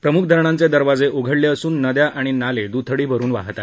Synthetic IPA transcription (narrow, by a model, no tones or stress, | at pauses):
pɾəmuk̚ʰd̪ʱəɾɳant͡sed̪əɾʋad͡zeʔoɡʱəɽljeəsuːnːəd̪jaʔaɽ̃inaled̪ut̪ʰəɽiːbʱəɾuːnʋa̰ɦt̪a